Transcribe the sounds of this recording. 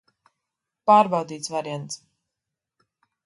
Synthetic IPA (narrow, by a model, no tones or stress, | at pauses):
paːɾbawd̪iːt̪svaɾiɛnt̪s